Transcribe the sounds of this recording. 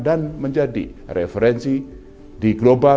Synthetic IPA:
danməɲd͡ʒadḭrḛfeɾɛnsi | diɡloba

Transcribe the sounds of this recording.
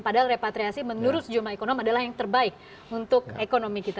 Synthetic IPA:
padaɦalrepat̪ɾiasimənuɾʊsd͡ʒumlaekonɔmadalahjaŋt̪ərbaɪk̚ | unt̪ʊkekonomikit̪a

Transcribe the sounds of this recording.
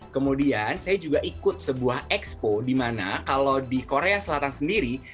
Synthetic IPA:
kəmudiansajad͡ʒuɡaʔikʊt̪̚səbuahɛkspodimana̰kalawdikoɾeasəlat̪ansəndiɾi

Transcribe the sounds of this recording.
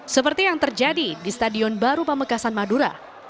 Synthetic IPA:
səpərt̪ijaŋt̪ərd͡ʒadidist̪adiɔnbaɾupəməkasanmaduɾa̰

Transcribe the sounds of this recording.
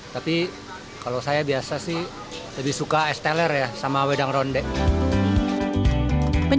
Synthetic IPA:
t̪api | kalowsajabiasasɪh | ləbɪhsukaɛst̪ɛlərjasamawedaŋrɔndɛʔ | pə

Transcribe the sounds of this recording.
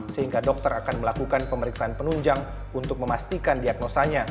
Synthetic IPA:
səhiŋɡadɔk̚t̪əɾakanməlakukanpəməɾiksaanpənuɲd͡ʒaŋ | unt̪ʊk̚məmast̪ikandiak̚nosaɲa

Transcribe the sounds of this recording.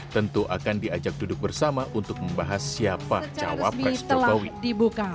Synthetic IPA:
t̪ənt̪uʔa̰kandiad͡ʒak̚dudʊk̚bərsamaʔunt̪ʊk̚məmbaɦasiapat͡ʃa̰wa̰pist̪əlaawidibuka

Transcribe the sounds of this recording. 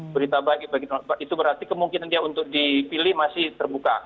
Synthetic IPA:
bəɾit̪ababaɡit̪abaʔit̪ubəɾart̪ikəmuŋkinandiaunt̪ʊk̚dipilɪhmasɪht̪ərbuka̰

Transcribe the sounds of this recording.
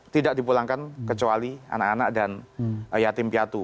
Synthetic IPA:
t̪idaʔ̚dipulaŋkankət͡ʃualia̰nakanak̚danjat̪ɪmpiat̪u

